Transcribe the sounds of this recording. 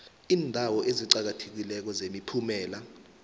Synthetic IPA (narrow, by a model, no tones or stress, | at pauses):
iːndʱawɔʔeziǃak̬atʰe̥k̬ilɛk̬ɔzemipʰumɛːla